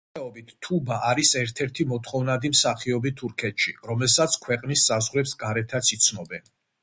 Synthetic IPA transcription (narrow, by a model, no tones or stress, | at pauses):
ɛɔbit̪ʰːubaʔaɾisɛɾt̪ʰɛɾt̪ʰimɔt̪ʰχɔvnad̪imsaχiɔbit̪ʰuɾkʰɛt̪ʃḭɾɔmɛlˠsat̪sʰkʰwɛqʼnisːazʁɾɛpsɡaɾɛt̪ʰat̪sʰit̪sʰnɔbɛn